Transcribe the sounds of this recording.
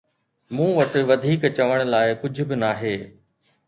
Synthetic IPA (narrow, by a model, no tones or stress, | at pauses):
mũːʋɐʈɪ̆ʋɐd̪ʱiːkt͡ɕɐʋəɽ̃ʊ̆laːɪkʊd͡ʑʱʊ̆bɪnaːɦeː